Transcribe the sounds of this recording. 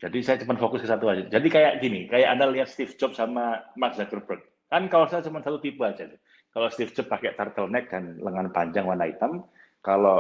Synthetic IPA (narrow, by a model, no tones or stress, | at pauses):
d͡ʒ̥adisajat͡ʃəpət̪fokʊskəsat̪uad͡ʒɪt̪̚d͡ʒadikajaʔɡinikajaʔandaliɦat̪̚st̪ifd͡ʒɔp̚samamaksdakərbɾək̚ | kankawasaɲt͡ʃumansat̪ut̪ipuad͡ʒat̪u | kalost̪ifd͡ʒɔpːakɛʔt̪art̪əlnɛk̚d̥anləŋanpaɲd͡ʒaŋwanait̪am | kalo